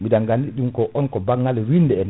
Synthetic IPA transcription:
midaŋɡandiɗumkɔʔɔnkɔbaŋːɡaliwindɛɛn

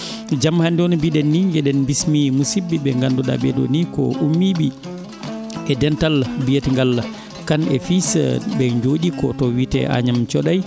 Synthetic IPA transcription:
d͡ʒamhandɔnɔbiɗɛnːiɡɛɗɛnbismimusibːiɓɛŋɡandɔɗa̰ɓɛɗɔ̰nikɔ̰ʔumːiɓi | ɛdɛntalbijetŋɡal | kanɛ̰fisbɛɲd͡ʒoɗikɔtɔwitɛ̰ʔa̰ɲamt͡ʃɔɗaj

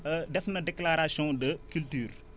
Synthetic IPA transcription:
ədɛfnɐdɛklaɾasjɔ̃dəkyltyːr

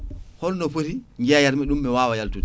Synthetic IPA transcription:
hɔlnɔfoɾiŋɡɛjaɾmɛɗumːɛwaːwajaltut

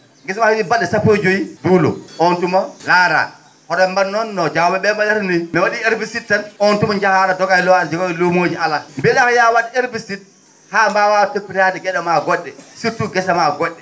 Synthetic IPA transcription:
ɡɛsamahimibaɗɛsapːod͡ʒojiduːlɔ̰ʔɔntumalaɾa̰ | hɔɗɔɛmbanːɔnːɔd͡ʒawbɛɓɛmalaɾniimɛwaɗieɾbisittːanɔntumaɲd͡ʒahaɾadɔɡajlɔand͡ʒɛkaɛlomoːd͡ʒiʔalambɛɗahɔjawaɗieɾbisit̚ | haːmbawawtepːiɾadɛɡɛɗɔmaɡɔɗːɛsitːuɡɛsamaɡɔɗːɛ

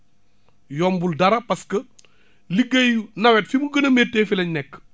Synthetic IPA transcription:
jɔːmbuldɐɾɐpɐskɐ | liɡɐjunɐwɛtfimuɡɐnɐmɛːtːɛːfilɐɲnɛkː

